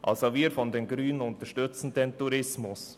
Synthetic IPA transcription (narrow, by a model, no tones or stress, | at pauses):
ʔa̰lsoviːɾfɔndenɡɾyːnənʊntəʃtʏt͡sn̩dentuɾɪsmʊs